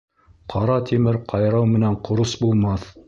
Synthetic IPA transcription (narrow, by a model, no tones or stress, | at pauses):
qʰɑɾɑt̪ʰimɘɾqʰɑjɾɑwmɘ̆næɴqŏɾosbulˠmɑθ